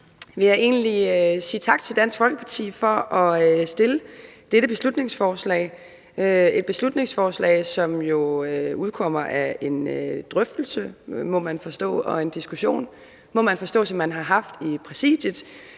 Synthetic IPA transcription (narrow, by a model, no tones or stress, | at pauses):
ʋe̝jɑ̈ɪʔe̝ːnliøsḭːt͡sʰɑ̈ɡ̥̚t͡sʰe̝ldæn̰sɡ̥fɒ̽lɡ̥əpʰɑ̈t͡sʰḭːfɒ̽ʔɒ̽øsd̥e̝ləd̥eɾ̥əb̥e̝slud̥ne̝ŋsfɒːslɛ̰ɪ | øe̝d̥̚b̥e̝slud̥ne̝ŋsfɒːslɛ̰ːɪsɒ̽mjo̝øuðˠkʰɒ̽m̰ɐʔæe̝nd̥ʁœfd̥l̩səmɔ̽mænfɒ̽sd̥ɔ̰̽ːɒ̽e̝nd̥isɡ̥uɕo̝̰ːn | mɒ̽mænfɒ̽sd̥ɔ̰̽ːsɒ̽mːænɦɑ̈ɦɑ̈fd̥ipʰʁɛsḭːd̥jəð̥ˠ